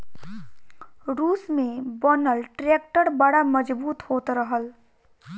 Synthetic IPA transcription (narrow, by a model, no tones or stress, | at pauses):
ɾuːsmẽbɔnəlʈɾeːk̚ʈəɾbəɽaməd͡ʒbuːt̪hoːt̪ɾəɦəl